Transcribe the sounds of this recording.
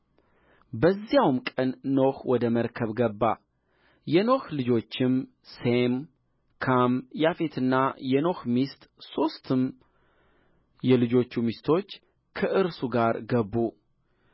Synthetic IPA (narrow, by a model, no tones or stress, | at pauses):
bəzːijawmkʼənːo̞xwɔd̪əməɾkʰəβɡəbːa̰ | jɛno̞xlɨd͡ʒo̞t͡ʃːɪm | sem | kʰamjafe̞t̪ʰɨnːajɛno̞xmist̪so̞st̪ʰɨm | jɛlɨd͡ʒo̞t͡ʃːumist̪ʰo̞t͡ʃː | kʰəʔɨɾsuɡaɾɡəbːu